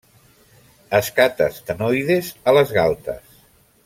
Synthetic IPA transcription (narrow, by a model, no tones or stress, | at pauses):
əskat̪ə̰st̪ənojðezələzɣalˠt̪ə̰s